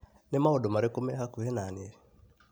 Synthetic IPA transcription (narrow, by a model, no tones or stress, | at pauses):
nemaodomaɾekomɛhakuhɛnaːneɾi